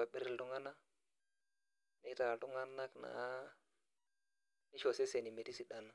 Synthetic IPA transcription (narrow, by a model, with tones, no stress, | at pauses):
a˨ɓɪ˦ɾɪ˦ltu˦ŋa˦na˦ | ne˦ta˨a˨tu˦ŋa˦na˦kna̰˨˦ | nɪ˦ʃo˨sɛ˦se˨ni˨me˨ti˦si˨ɗa˨na˦